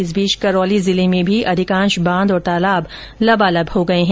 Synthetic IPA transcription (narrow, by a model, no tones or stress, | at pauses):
ɪzbiːʃkɐɾɔːlizɪlemẽbʱiʔɐd̪ɪkãːnʃbãːnd̪ɔːɾt̪aːlaːb | lɐbalɐbhoɡɐeɦɛ̃